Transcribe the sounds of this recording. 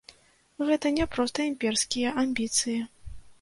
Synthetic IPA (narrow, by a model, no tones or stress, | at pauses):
ɣɛt̪ɐnʲɛpɾɔst̪ɐimʲpʲɛrskʲijɛʔamʲbʲit̪sɨjɐ